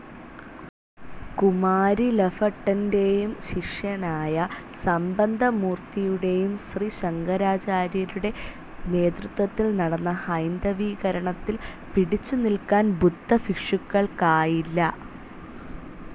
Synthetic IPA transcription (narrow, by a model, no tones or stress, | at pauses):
kumaːɾilefɐʈːɐnde̞jumɕiʂjɐnaːjɐ | sɐmbɐnd̪ʱɐmuːrt̪ijuɽe̞jumɕriɕɐŋɡɐɾaːt͡ɕaːɾjɐɾuɽe̞ | ne̞ːt̪rɨt̪wɐt̪ːilnɐɽɐnːɐhɐjnd̪ɐʋiːɣɐɾɐɳɐt̪ːil | piɽit͡ɕːunilkaːnbud̪ːɐfikʂukːɐɭkaːjilːɐ